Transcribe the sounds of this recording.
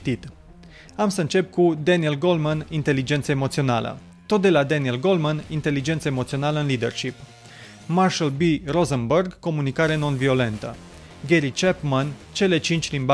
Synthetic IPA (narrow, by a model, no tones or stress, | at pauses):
t̪it̪ | amsəɨnt͡ʃe̞p̚kud̪enielɡo̞lmanint̪e̞lid͡ʒe̞nt̪səemot̪sio̞nalə̰ | t̪o̞t̪̚d̪e̞lad̪enielɡo̞lmanint̪e̞lid͡ʒe̞nt̪səemo̞t̪sio̞naləɨnlid̪e̞rʃip | marʃəlbirozənbərɡko̞munikaɾeno̞nvio̞le̞nt̪ə̰ | ɡʲeɾit͡ʃepmant͡ʃe̞le̞t͡ʃint͡ʃʲlimb